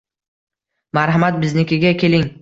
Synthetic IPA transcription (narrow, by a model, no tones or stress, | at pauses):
maɾɦamat̪̚bɪznɪkʲɪɡʲakʲʰe̞lɪŋ